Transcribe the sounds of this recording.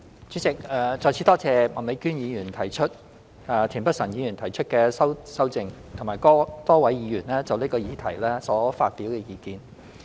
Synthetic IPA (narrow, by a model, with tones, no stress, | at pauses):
t͡ʃyː˨˥t͡sɪ˨k̚ɛː˧t͡sɔː˧t͡sʰiː˨˧˥t̪ɔː˥t͡sɛː˧mɐ˨˩nle˨˧jkyː˥njiː˨˧jyː˨˩nt̪ʰɐ˨˩jt͡ʃʰɵ˥t̚ | aː˨˧t̪ʰiː˨˩npɐ˥t̚sɐ˨˩njiː˨˧jy˨˩nt̪ʰɐ˨˩jt͡ʃʰɵ˥t̚kɛː˧sɐ˥wsɐ˥wt͡sɪ˨ŋt̪ʰo˨˩ŋmaː˨˩jkɔː˥t̪ɔː˥wɐ˨˥jiː˨˧jyː˨˩nlɛː˥t͡sɐ˨wliː˥kɔː˧jiː˨˧t̪ʰɐ˨˩jlɛː˥sɔː˨˥faː˧t̚piː˨˥wkɛː˧jiː˨˧kiː˨˧n